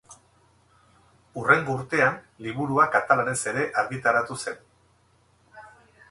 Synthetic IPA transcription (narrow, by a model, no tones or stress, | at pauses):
ure̞ŋɡuɾt̪e̞an | liβ̞uɾuakat̪alane̞se̞ɾe̞ʔaɾɣit̪aɾat̪use̞n